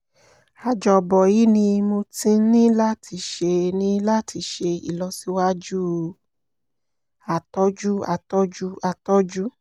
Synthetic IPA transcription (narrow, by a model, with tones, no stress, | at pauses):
a˨d͡ʒɔ˨bɔ˨ji˦nĩ˧mo˧tĩ˧˦nĩ˦la˦ti˧ʃe˧nĩ˦la˦tʰi˧ʃe˧ḭ˨lɔ˧˦si˦wa˦d͡ʒu˦ | a˨tɔ˦d͡ʒu˦a̰˨tɔ˦d͡ʒu˦a˨tɔ˦d͡ʒu˦